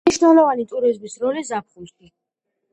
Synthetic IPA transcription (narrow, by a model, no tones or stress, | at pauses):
iʃnɛlˠɔvanit̪ʼuɾizmisɾɔlizap̚ʰχusk̪ʰi